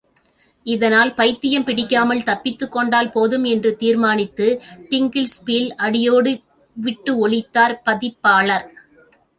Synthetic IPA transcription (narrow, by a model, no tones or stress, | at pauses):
ɪðɐnaːlpɐɪt̪ːɪjɐmpɪɽɪkːaːmɐlt̪ɐpːɪt̪ːɯkːɔɳɖaːlpoːðɯmɛndrɯt̪iːɾmaːnɪt̪ːɯʈɪŋɡɪlspilɐɽɪjoːɽɯ | ʋɪʈːɯɔɭɪt̪ːaːɾpɐðɪpːaːɭɐɾ